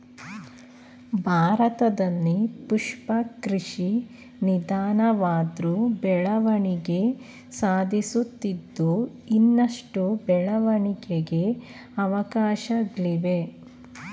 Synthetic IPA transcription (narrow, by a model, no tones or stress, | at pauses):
bʱaːɾɐt̪ɐd̪ɐnːipuʂpɐkɾiʂi | nid̪aːnɐʋaːd̪ɾubɛɭɐʋɐɳiɡe | saːd̪ʱisut̪ːid̪ːu | inːɐʂʈubɛɭɐʋɐɳiɡeɡe̞ | ɐʋɐkaːʃɐɡɭiʋe̞